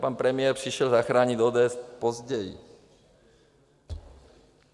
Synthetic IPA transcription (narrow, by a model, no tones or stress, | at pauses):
paːnpɾɛmɪɛɾpriʃɛlzaxɾaːɲid̪ɔːd̪ɛːɛspɔzɟɛj